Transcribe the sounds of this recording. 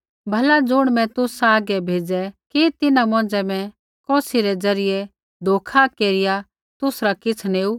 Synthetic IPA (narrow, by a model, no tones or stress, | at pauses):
bʱɐlad͡zʊɽ̃mɛ̃t̪ʊsaːɡɛbʱeːd͡zɛkit̪ɪnamɔ̃ːd͡ʒɛmɛ̃ | kɔːsiɾɛd͡zɐɾɪjɛ | d̪ʱoːkʰakeːɾɪja | t̪ʊsɾakɪt͡sʰneːu